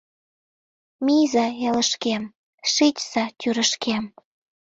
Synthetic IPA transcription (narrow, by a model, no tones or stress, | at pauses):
mijzɑjɑlə̆ʃkem | ʃet͡ɕsɑt̪ʲyɾə̆ʃkʰem